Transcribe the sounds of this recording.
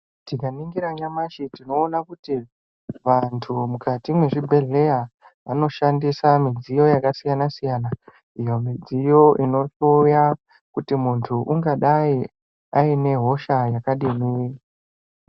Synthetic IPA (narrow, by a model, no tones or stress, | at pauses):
tikaniŋɡiɾaɲamaʃitino̞ːnakuti | ʋantʰumukatimwe̞ʐibʱe̞ɮe̞ja | ʋano̞ʃandisamid͡zijo̞jakasijanasijana | ijo̞mid͡zijo̞ʔino̞tuja | kutimuntʰuʔuŋɡaɗai | aine̞ɦo̞ʃajakaɗinii